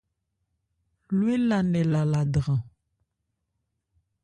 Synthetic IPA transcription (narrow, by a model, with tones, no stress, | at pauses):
lwe˦la˨nɛ˨la˨la˨dʁã˨